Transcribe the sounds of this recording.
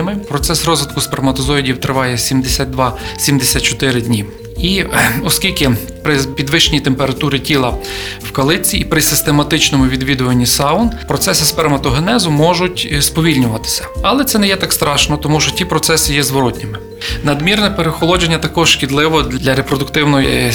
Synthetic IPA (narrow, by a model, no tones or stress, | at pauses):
mɪpɾɔt̪sɛsrɔzʋɪt̪kʊspermɐt̪ɔzɔidʲiwt̪ɾɪʋɑjɛsʲimd̪esʲat̪̚d̪ʋɑsʲimd̪esʲat̪̚t͡ʃɔt̪ɪɾɪd̪ʲnʲi | iɔskʲilʲkɪ | pɾɪpʲid̪ʋɪʃnʲit̪empeɾɐt̪uɾɪtʲilˠɐwkɐlˠɪt͡sʲːiːpɾɪsɪst̪emɐt̪ɪt͡ʃnɔmʊʋʲid̪ʋʲid̪ʊʋɐnʲːisɑʊnpɾɔt̪sɛsɪspɛrmɐt̪ɔɦenɛzʊmɔʒʊtʲspɔʋʲilʲnʲʊʋɐt̪ɪ̥sʲɐ̥ɐlˠɛt̪sɛnɛjɛt̪ɑkst̪ɾɑʃnɔt̪ɔmuʃt͡ʃɔtʲipɾɔt̪sɛsɪjɛzʋɔɾɔtʲnʲɪmɪ | nɐd̪mʲirnɛpeɾexɔlˠɔd͡ʒenʲːɐt̪ɐkɔʒʃkʲid̪lˠɪʋɔd̪lʲɐɾepɾɔd̪ʊkt̪ɪwnɔj